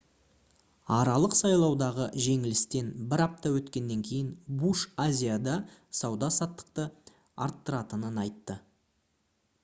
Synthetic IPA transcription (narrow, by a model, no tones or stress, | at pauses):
ɑɾɑlˠəqsɑjlˠɑwd̪ɑʁəʒe̞ŋɪlɪst̪e̞nbɪɾɑp̚t̪ɑwɵt̪kʲe̞nːe̞ŋkʲʰe̞jɪnbuʃazʲijad̪ɑsɑwd̪ɑsɑt̪ːə̥q̚t̪ə | ɑ̰ɾt̪ːəɾɑt̪ənənɑjt̪ːə